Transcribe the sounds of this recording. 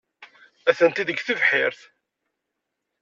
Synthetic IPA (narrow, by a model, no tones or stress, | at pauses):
æθənt̪iðəɡθivħɪɾθ